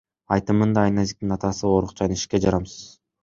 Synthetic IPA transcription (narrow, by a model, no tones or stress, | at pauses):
ɑjt̪ɯmɯnd̪ɑːjnazʲik̚t̪inɑt̪ɑsɯo̞ɾuq̚t͡ʃʰɑjniʃked͡ʒɑɾɑmsɯ̥z̥